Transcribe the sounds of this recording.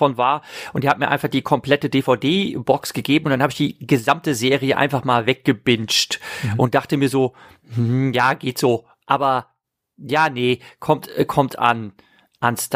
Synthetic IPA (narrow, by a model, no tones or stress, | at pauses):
fɔnvaːɐʔʊntd̥iːhatmiːɐʔa̰ɪnfaχd̥iːkʰɔmpl̥ɛtədeːfaʊdeːbɔksɡ̥əɡeːbm̩ʊntd̥anhaːbəɪçd̥iːɡəzamtəzeːʁiəʔa̰ɪnfaχmaːlvɛk̚ɡ̥əbɪnt͡ʃtʔʊnt̚d̥aχtəmiːɐzoː | m̩jaːɡeːtz̥oː | ʔaːbɐ | jaːnəkʰɔmtkʰɔmtʰa̰n | ʔanst